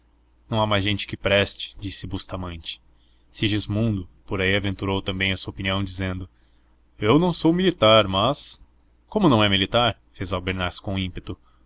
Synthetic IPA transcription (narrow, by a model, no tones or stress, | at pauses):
nɐ̃w̃amajzʒẽnt͡ʃɪ̥kɪpɾɛst͡ʃɪ̥d͡ʒisɪbust̪amɐ̃nt͡ʃɪ̥ | siʒizmũnd̪ʊpoɾaiavẽnt̪uɾowt̪ɐ̃mbẽj̃ɐsuɐopiniɐ̃w̃d͡ʒizẽnd̪ʊ | ewnɐ̃w̃sowmilit̪aɾmɐs | kõmʊnɐ̃w̃ɛmilit̪aɾ | fezawbeɾnaɾsɪ̥kõĩmpet̪ʊ